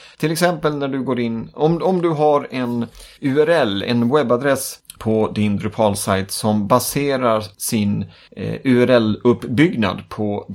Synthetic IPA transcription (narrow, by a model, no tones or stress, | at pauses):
t̪ʰɪlɛksɛmpəlnæɖɵɡoːɾɪnːɔmɔmd̪ɵɦaɾɛnʉɛɾɛlɛ̰nwɛbːad̪ɾɛspʰɔd̪ɪnd̪ɾɵpʰɑːlsajt̪sɔmbaseːɾaɾsɪn | ʉ̟ɛɾɛlɵpːbʏɡna̰d̪pʰɔ